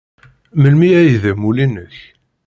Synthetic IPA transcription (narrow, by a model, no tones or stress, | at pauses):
məlmiæjðæmulinəç